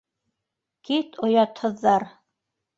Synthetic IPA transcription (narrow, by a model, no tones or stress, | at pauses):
kit̪ŏjɑt̪hɤ̆ðːɑɾ